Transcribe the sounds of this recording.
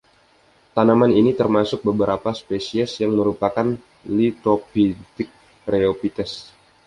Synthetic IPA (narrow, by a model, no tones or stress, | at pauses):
t̪anamaninit̪ərmasʊk̚bəbəɾapaspesiɛsjaŋməɾupakan | lit̪ɾopit̪ɪk̚ | ɾeopit̪ɛs